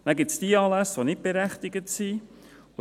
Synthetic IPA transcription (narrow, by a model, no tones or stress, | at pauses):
næɡɪtsd̥iəɑːlæsʋonɪt̚b̥eɾæχt̪ɪɡətsi | ʊ